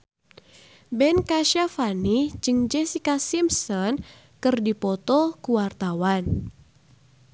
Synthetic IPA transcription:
bɛnkaʃafanid͡ʒɨŋd͡ʒɛsikasimsɔn | kɨrdipɔt̪ɔkuwart̪awan

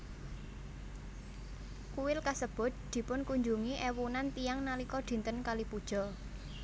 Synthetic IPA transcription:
kuwɪlkasəb̥ʊ̤t̪̚d̪̥i̤pʊnkuɲd͡ʒuŋiʔɛwunant̪ijaŋnalikɔ̥d̪̥i̤nt̪ənkalipud̥ʒ̥ɔ̤

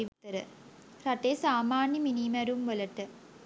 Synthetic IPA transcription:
iʋit̪ːɐɾə̰ | rɐʈːesaːmaːnjəminimɐɾumʋɐlɐʈːɨ

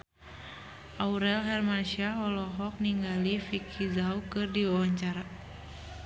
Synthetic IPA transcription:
ʔauɾɛlɦɛrmanʃiaɦɔlɔɦɔk̚niŋɡalifikʰizaukɨrdiwawaɲt͡ʃaɾa

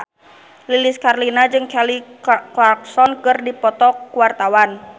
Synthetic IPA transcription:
lilɪskarlinad͡ʒɨŋkɛliklak̚sɔnkɨrdipɔt̪ɔkːuwart̪awan

